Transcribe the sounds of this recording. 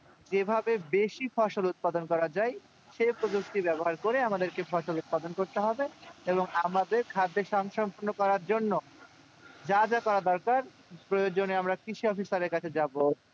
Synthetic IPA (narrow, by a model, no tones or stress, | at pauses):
d͡ʑebʱabebeʃifɔʃolut̪̚pad̪onkɔɾad͡ʑaj | ʃepɾod͡ʑok̚t̪ibɛboɦaɾkoɾeamad̪eɾkefɔʃolut̪̚pad̪onkoɾt̪eɦɔbeeboŋamad̪eɾkʰad̪ːeʃɔŋɡʃɔmpuɾnːokɔɾaɾd͡ʑonːo | d͡ʑad͡ʑakɔɾad̪ɔɾkaɾ | pɾojod͡ʑoneamɾakɾiʃiɔfisaɾeɾkat͡ɕʰed͡ʑabo